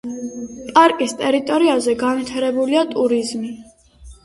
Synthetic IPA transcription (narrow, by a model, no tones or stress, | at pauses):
pʼaɾkʼist̪ʼɛɾit̪ʼɔɾiazɛɡanvit̪ʰaɾɛbuliat̪ʼuɾizmi